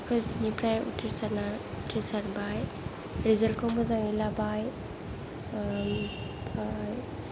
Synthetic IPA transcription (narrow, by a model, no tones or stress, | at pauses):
kʰɯznipɾajṵtʰiɾsaɾna | tʰɾisaɾbaj | ɾizalkʰɔmbɔzaŋilabaj | pʰaj